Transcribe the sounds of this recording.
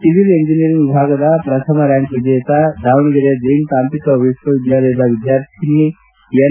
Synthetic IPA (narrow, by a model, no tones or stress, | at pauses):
siʋileɲd͡ʒinijəɾiŋʋibʱaɡad̪apɾət̪ʰəməɾjaŋkʋid̪et̪ad̪ʱaʋɳɡəɾed̪ent̪ampikəːʋiʃʋəʋid̪jaləjlaʋid̪jaɾt̪ʰinːi | ja